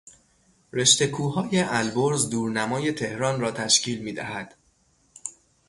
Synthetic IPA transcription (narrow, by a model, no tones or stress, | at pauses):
re̞ʃt̪e̞kʰuːɦɒːje̞ʔælboɾzd̪uːɾnæmɒːje̞t̪ʰe̞hɾɒːnrɒːt̪ʰæʃcʰiːlmiːd̪æ̰hæd̪̥